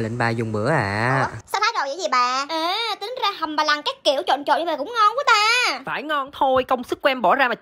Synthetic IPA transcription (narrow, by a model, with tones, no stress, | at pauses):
lḭ˧˨˩ŋ̟ɓaː˧zʊ˨˩ŋ͡mɓɨ˧˦əʔa̰ː˧˩˧sa˧˦t̪ʰaː˨˦jzo˨˩jzə˧˦zi˨˩ɓaː˨˩ʔəː˨˩t̪i˨˦ŋzaː˧hə˨˩mmaː˨˩laː˨˩ŋkaː˨˦˥k̚kːi˧˩əwt͡ɕo̰˧˨nt͡ɕo̰˧˨nɲ˧˩aː˨˩kʊ̰˧˥wŋ͡mŋɔ˧nvɨ˧˨˦t̪aː˧faː˧˩jŋɔ˧nt̪ʰo˧jkə˧wŋ͡msɨ˦˥k̚kːwɛ˧mɓɔ˧˩zaː˧maː˨˩